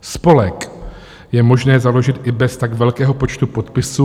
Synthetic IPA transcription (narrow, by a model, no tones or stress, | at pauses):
spo̞lɛk | jɛmo̞ʒnɛːzalo̞ʒɪt̪ʔɪbɛst̪aɡvɛlkɛːɦo̞po̞t͡ʃt̪upo̞t̪pɪsu